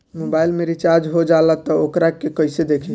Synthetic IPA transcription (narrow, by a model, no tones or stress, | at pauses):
mobailmeɾit͡ʃaɾd͡ʒɦod͡ʒalat̪ɔokɾakekəjsed̪ekʰi